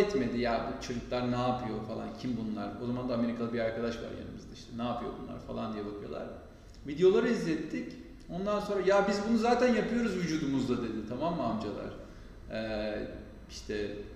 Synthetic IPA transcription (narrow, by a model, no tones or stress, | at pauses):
ɛt̪me̞d̪ijabut͡ʃʰɯɾɯklˠaɾnaːpʰɯjo̞falˠa̰ncʰimbunlˠa̰ɾo̞zamand̪aːme̞ɾikʰalˠɯbiɾaɾkʰad̪aʃva̰ɾja̰nɯmɯzd̪aiʃt̪ʰɛnaːpɯjo̞̰bunlˠa̰ɾfalˠa̰nd̪ijebakʰɯjo̞lˠa̰ɾ̥ | vid̪ejo̞lˠaɾɯizːɛt̪ːic | o̞nd̪anso̞nɾajabizbunuzaːt̪ʰænjapɯjo̞ɾuzvyd͡ʒuːd̪umuzd̪ad̪e̞d̪ɪt̪ʰamamːaamd͡ʒalˠa̰ɾ̥ | iʃt̪ʰɛ